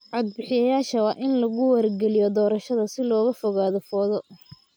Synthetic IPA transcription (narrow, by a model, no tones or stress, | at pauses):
ʕɑd̪̚bɪħɪjɐjaːʃɐwɑːʔɪnlɐɣʊwɐrɡɛlɪjɔd̪ɔːɾɐʃɐðɐsɪlɔːɣɐfɔɣaːðɔfɔːðɔ